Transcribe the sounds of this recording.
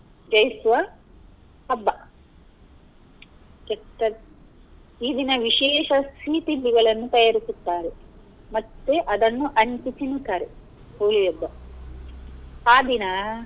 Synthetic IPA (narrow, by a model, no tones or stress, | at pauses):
d͡ʒɐjsʋɐ | ɐbːɐ | d͡ʒɐt̪ːɐ | iːd̪inɐʋiʃɛːʃɐst̪ʰiːt̪inːiɡɐɭɐnːut̪ɐjaːɾisut̪ːaːɾe | mɐt̪ːeʔɐd̪ɐnːuʔɐɲt͡ʃit̪inut̪ːaːɾe | poːlijɐbːɐ | aːd̪inɐ